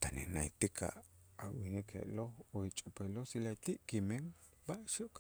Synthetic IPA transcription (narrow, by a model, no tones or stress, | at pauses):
t̪anḛnait̪ikʰa̰awinikʰḛʔlohoit͡ʃʼopelosilat̪iʔkimeŋ | baʔʃoʔk